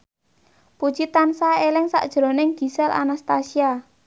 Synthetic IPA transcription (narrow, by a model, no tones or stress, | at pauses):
pud̥ʒ̥it̪ansaelɪŋsa̰ʔd̥ʒ̥ɾo̤nɪŋɡ̥i̤sɛlʔa̰nast̪asia